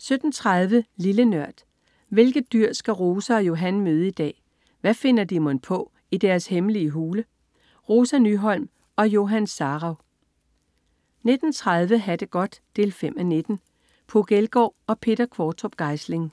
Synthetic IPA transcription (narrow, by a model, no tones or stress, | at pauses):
sød̥n̩t͡sʰʁað̞ˠʋəlilənɶɐ̰d̥ | ʋe̝lɡ̥ð̩ˠd̥yɐ̰sɡ̥æʁoːsəɒ̽jo̝ɦænmøːð̞ˠəid̥ɛ̰ː | ʋæfe̝n̰ɐd̥imonpʰɒ̽ | id̥æɐshemliəɦuːlə | ʁo̝sænyɦɒ̽l̰m | ɒ̽jo̝ɦænsɑ̈ːʁɑ̈ʊ | ne̝d̥n̩t͡sʰʁað̞ˠʋəɦæd̥əɡ̥ɒ̽d̥ːd̥e̝ːlfem̰æne̝d̥n̩ | pʰoɡ̥elɡ̥ɒ̰ːɒ̽pʰe̝d̥ɐkʰʋɒːt͡sʰob̥̚ɡ̥ɑ̈ɪsle̝ŋ